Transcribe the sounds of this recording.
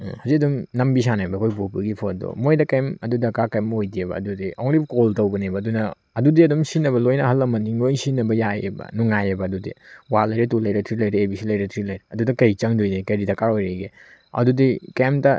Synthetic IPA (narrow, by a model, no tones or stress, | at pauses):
hɐzikɐdumnɐmbis̬anajbɐkʰojbopɐɡipʰodo̰mojdɐkɐjmɐdudɐkakɐjmojdiebɐ̰ɐ̰dudiʔoŋɾibkoltɐwbɐnebɐːdunɐ | ɐdudiɐdumsinːɐβɐlojnɐɦɐlːɐmɐntiŋlojsinɐbɐjajḛbɐ̰nuŋajebɐɐdudḭwalɐjɾɐtulɐjɾɐtʰɾilɐjɾɐebisilɐjɾɐtʰɾilɐjɾɐɐdudɐkɐjt͡ʃɐŋdujdekɐjɾidɐkaɾojɾɐjɡe | ɐ̰dudikemtɐ